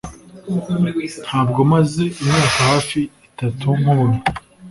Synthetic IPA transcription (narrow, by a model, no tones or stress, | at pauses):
n̥haːb̚ɡo̞maze̞ʔimɲaːkahaːfiitatʰuŋ̥huβuɾu